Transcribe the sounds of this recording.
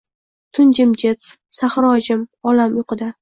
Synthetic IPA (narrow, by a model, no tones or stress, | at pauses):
t̪ʰʊnd͡ʒɪmd͡ʒɪt̪̚saχɾɒd͡ʒɪmɒlamjʊqʰɨd̪a